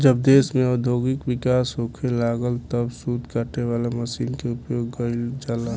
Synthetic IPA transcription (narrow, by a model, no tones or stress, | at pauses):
d͡ʒəb̚d̪eːsmẽɔd̪ʱjoɡɪkʋɪkaːsɦokʰelaːɡəlt̪əbsud̪ʱkəʈeʋaːlaməsiːnkeʊpjoːɡːəɪld͡ʒala